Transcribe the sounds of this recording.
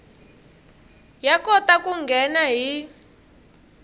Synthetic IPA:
jakɔtakʼuŋɡʱɛnaɦi

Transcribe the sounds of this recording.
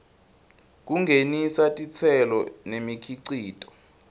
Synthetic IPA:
k̬uŋʱenisatʼit͡sʰɛlɔ̰nemikʰiǀiːtʼɔ̥

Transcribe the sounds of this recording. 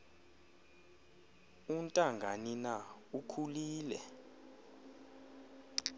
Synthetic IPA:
untʼaŋɡʱaninaukʰuliːlɛ̰

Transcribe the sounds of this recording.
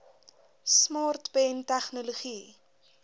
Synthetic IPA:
smɑːrtbɛntæχnoloχi

